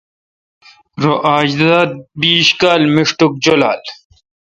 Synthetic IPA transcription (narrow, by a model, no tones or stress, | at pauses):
ɾoʔaːd͡ʑd̪aːd̪̚biːɕkaːlmiʂʈuk̚d͡ʑola̰ːl